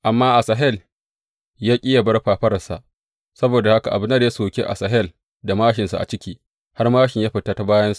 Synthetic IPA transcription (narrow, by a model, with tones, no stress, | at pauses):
ʔa˨mːaː˦ʔa˨saː˨ɦɛ˦˨l | jaː˦kʲʼiː˦ja˨bɐ˦rɸaː˨ɸɐ˦ɾɐ˨sa̰˨ʔ | sɐ˦boː˨da˨ha˦ka˨ʔa˨bɪ˦nːa˦da˦soː˨kʲe˦ʔa̰˨sa˨ɦɛ˦˨l | da˨maː˦ʃɪ˨nsa˨ʔa̰˨t͡ʃɪ˦kʲiː˦ | ha˦rmaː˦ʃɪ˨ɲjaː˦ɸɪ˨taː˦ta˦baː˦jɐ˦nsa˨